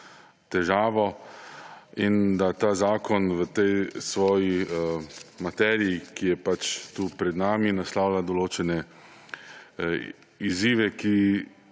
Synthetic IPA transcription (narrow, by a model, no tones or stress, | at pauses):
t̪ɛʒaːʋɔ | ind̪at̪aːzaːkɔnʋət̪ɛjsʋɔːji | mat̪ɛːɾiikijɛpat͡ʃt̪uːpɾɛd̪naːminaslaːʊlad̪ɔloːt͡ʃɛnɛ | iziːʋɛki